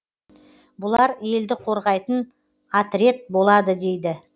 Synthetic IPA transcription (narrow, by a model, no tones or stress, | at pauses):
bʊlˠɑɾje̞ld̪ɪqʰo̞ɾʁɑjt̪ən | at̪ɾe̞t̪̚bo̞lˠɑd̪əd̪e̞jd̪ɪ